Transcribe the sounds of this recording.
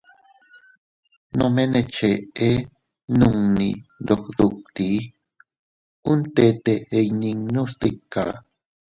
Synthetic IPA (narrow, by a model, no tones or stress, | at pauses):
no̰menet͡ʃee | nuŋnid̪okd̪uk̚t̪i | unt̪et̪eːjniŋnust̪ikːa̰